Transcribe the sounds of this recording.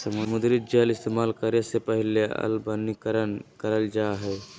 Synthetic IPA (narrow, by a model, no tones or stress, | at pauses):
sɐmʊmʊd̪ɾit̪̚d͡ʒəlɪst̪emaːlkəɾesepəɦɪleɐ̰lbənikɾənkəɾəld͡ʒaɦɛ